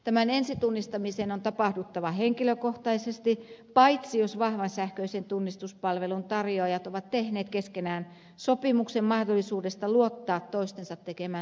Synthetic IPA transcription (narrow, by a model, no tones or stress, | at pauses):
t̪æmænensit̪unːist̪ɑmisenont̪ɑpɑhdut̪ːɑʋɑheŋkiløkoht̪ɑisest̪ipɑit̪sijosʋɑhʋɑnsæhkøisent̪unːist̪uspɑlʋelunt̪ɑrjoɑjɑt̪oʋɑt̪t̪ehneːt̪keskenæːn | sopimuksemmɑhdolːˑisuːdest̪ɑluot̪ːɑːt̪toist̪ensɑt̪tekemæː